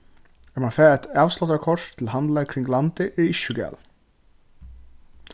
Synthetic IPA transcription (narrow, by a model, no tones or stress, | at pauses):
ɛmanfɛːɛt̪ɑːʋslɔt̪aɾkʰɔʂt̪ʰɪlhant̪laɾkʰɾɪŋɡlant̪ɪʔɛɾɪʃːʊɡɛ̰ːl